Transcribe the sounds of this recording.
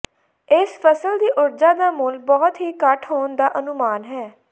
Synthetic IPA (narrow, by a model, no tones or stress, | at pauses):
ɪspʰəsəld̪iːʔʊɾd͡ʒaːd̪aːmʊlbɔːt̪ɦiːkəʈʰɦoːnd̪aːʔənʊmaːnɦɛː